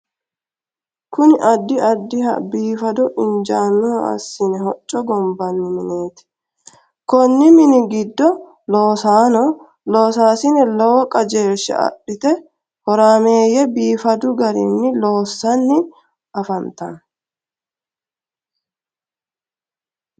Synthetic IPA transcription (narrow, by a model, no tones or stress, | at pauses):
kʊnɪʔɐd̪ːɪɐd̪ːɪhɐ̰biːfɐd̪ɔʔɪnd͡ʒaːnːɔɐ̰sːɪnɛɦɔt͡ʃʼːɔɡɔmbɐnːɪmɪneːt̪ɪ̥ | kɔnːɪmɪnɪɡɪd̪ːɔ | loːsaːnɔ | lo̞ːsaːsɪnɛlɔwɔkʼɐd͡ʒe̞ːʃːɐ̰ɐ̰ɗːɪt̪ɛ | hɔɾaːme̞ːjɛbiːfɐd̪ʊɡɐɾɪ̰nːɪlo̞ːsːɐnːɪ | ɐfɐnt̪ɐn